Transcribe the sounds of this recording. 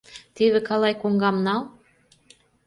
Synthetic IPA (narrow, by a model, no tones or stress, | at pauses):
t̪iðĕkɑlɑjkoŋɡɑmnɑl